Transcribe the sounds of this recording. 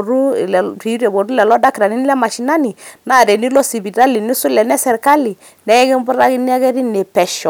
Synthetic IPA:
ɾu˦˨lɛ˨i˨˦ɾɛ˨bo˨ɾu˦lɛ˨lɔ˦da˦ki˨ɾa˨ni˦nɪ˦lɛ˦ma˨ʃi˨˦na˦ni˨na˦˨ɾɛ˨ni˦lɔ˦si˨bi˨ɾa˦li˨ni˦sʊ˦lɛ˨nɛ˦sɛ˨ɾka˦li˨ | nɛ˦ɛ˦kɛ˦mbʊ˦ɾa˦kɪ˦n˦a˦kɛ˦ɾi˦ne˨pɛ˨ʃɔ˨

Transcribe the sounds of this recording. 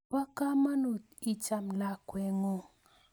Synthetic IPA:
wa˦ka˦ma˦no˨t̪̚i˦t͡ʃa˦mla˨kwɛ˨ŋɔ˨

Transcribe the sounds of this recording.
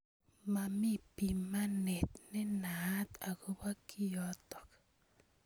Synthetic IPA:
ma˨mi˦pi˨ma˦nɛ˨t̪nɛ˦na˨˦t̪a˨kʊ˦ba˦kʰi˦jɔ˦t̪ɔ˨k

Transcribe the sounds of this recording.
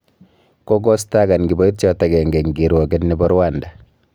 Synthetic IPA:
kɔ˦ɡɔ˦sta˦ɡa˨nɡi˨bɔ˦i˦t̚t͡ʃɔ˦ta˨ɡɛ˨ŋɡɛ˨ŋɡi˨ɾwɔ˨ɡɛ˦tnibɔɾwanda

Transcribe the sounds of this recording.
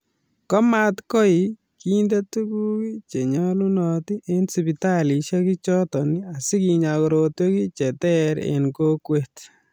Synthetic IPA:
kɔ˦ma˦tkɔ˦i | ki˦nde˦tu˦ku˦ki˦t͡ʃe˨ɲɔ˦lu˦nɔ˧ti˦ʔe˦nsi˨bi˨ta˦li˨ʃa˦ki˦t͡ʃɔ˦tɔ˨ni˦a˨si˦ki˨ɲakɔɾotwe˦ki˦t͡ʃɛ˨tɛɾḛ˨nko˦kwet

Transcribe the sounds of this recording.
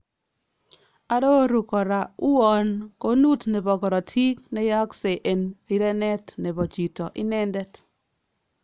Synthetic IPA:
a˦do˦ɾu˨kɔ˨ɾa˨u˦ɔ˨nko˦nu˦tnɛ˨bɔ˨ɡɔ˨ɾɔ˨tʰi˦knɛ˦ja˦kse˨ʔe˨nɾi˦ɾɛ˦nɛ˦tnɛ˨bɔ˨t͡ʃi˨tɔ˨ʔɪ˦nɛ˦ndɛ˦t

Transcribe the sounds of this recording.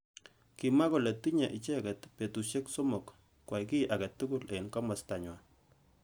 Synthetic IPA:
ki˨ma˦ko˨le˨ti˦ɲa˨ʔi˨t͡ʃɛ˦kɛ˨tpe˨tu˨ʃe˦kso˦mo˨k | kːwa˨iki˦ʔakɛ˨tːuku˦le˨inka˦ma˨staɲwa

